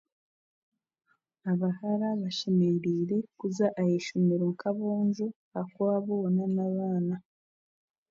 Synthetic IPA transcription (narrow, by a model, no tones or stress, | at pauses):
aβahaɾaβaʃemeɾiːɾe̞kuzaʔajeʃumeɾoŋkaβoːnʒu | akoaβonanaβaːna